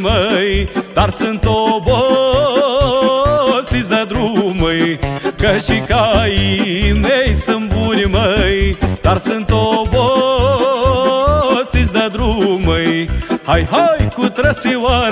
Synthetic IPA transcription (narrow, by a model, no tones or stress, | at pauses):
mɐjd̪̥aɾsɨnt̪obo | sizd̪ɐd̪ɾumɐjkɐʃikajimejsɨmbuɾimɐjd̪aɾsɨnt̪obo | sizd̪ɐd̪ɾumɐjhajɦajkut̪ɾɐsiwa